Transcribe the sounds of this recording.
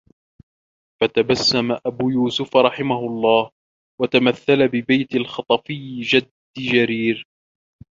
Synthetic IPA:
fat̪abasːamaʔabuːjuːsʊfɾˤɑħɪmahʊɑlˤːɑːh | wat̪amaθːalabɪbajt̪alxɑt̪ˤɑfɪjːd͡ʒad̪ːɪd͡ʒaɾiːɾ

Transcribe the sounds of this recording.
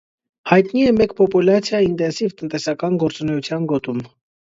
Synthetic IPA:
hɑjt̪niɛmɛkpɔpulɑt͡sʰjɑint̪ɛnsivt̪ənt̪ɛsɑkɑnɡɔɾt͡sunɛjut͡sʰjɑnɡɔt̪um

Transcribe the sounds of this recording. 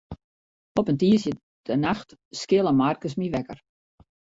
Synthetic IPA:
ɔpəntiəsjə | d̥ənaxtskɪlˠəmarkəs̬miʋɛkər

